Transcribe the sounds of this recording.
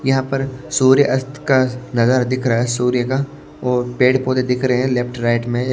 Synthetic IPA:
jɐɦãpɐɾsuːɾjəʔɐst̪kanɐzəɾd̪ɪkʰɾaːɦɛsuːɾjəka | ɔːɾpeːɽpoːt̪ed̪ɪkʰɾɐɦɦɛ̃lɛpʈɾaːɪʈmẽ

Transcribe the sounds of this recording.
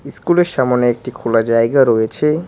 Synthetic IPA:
iskuleɾʃamoneek̚ʈikʰolad͡ʑajɡaɾojet͡ɕʰe

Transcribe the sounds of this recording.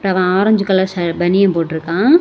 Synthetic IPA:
pːɐʋãaːɾɐɲd͡ʒɯkːɐlɐsɐbɐnɪjɐ̃mpoːʈːɪɾɯkːãː

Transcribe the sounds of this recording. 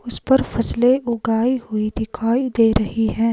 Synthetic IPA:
ʊspɐɾfɐsleʔʊɡaːihʊid̪ɪkʰaːid̪eːɾɐɦiɦɛ̃ː

